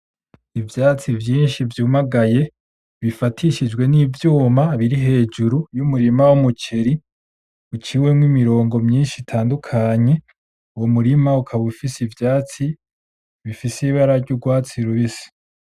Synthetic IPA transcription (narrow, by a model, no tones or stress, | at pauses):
ivjaːt͡sivjiːnʃivjuːmaɡaje̞ | βifatʰiʃid͡ʒɡwe̞niːvjuːmaβiɾiɦe̞ːd͡ʒuɾujumuɾimawumut͡ʃeɾi | ut͡ʃiwemŋwimiɾo̞ːŋɡo̞mɲiːnʃitʰaːndukʰaɲe̞ | uwomuɾimaukʰaβufisivjaːt͡si | βifiseβaɾaɾɟuɡwaːt͡siɾuβisi̥